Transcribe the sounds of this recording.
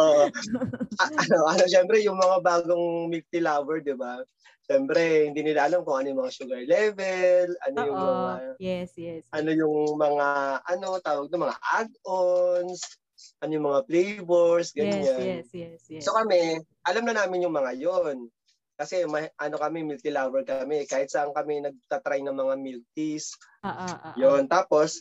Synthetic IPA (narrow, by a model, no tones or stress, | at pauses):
ʔoːʔ | ɐʔɐnoʔɐnoʃɛmpɾɛjʊŋmɐŋabaːɡoŋmɪk̚t̪ɪlavɛɹd̪ɪba | ʃɛmpɾɛhɪnd̪iːnɪlaʔɐlamkʊŋʔɐnojʊŋmɐŋaʃuɡɐɹlɛvɛlɐ̰nojʊŋmɐŋa | ʔɐno̞jʊŋmɐŋaʔɐno̞t̪aːwɐɡ̚nɐmɐŋa̰ʔa̰d̪̚ʔons | ʔɐnojʊŋmɐŋaflejbɛɹsɡɐɲɲansokɐmɛ | ʔɐlɐmlɐnaːmɪnjʊŋmɐŋajon | kɐsɛmɐʔɐno̞kɐmɛmɪlt̪ɪlaːwɛlkɐmɛkaːhɪt̪sɐʔaŋkɐmɛnɐɡ̚t̪at̪ɾajnɐŋmɐŋamilt̪̚is | jont̪aːpo̞s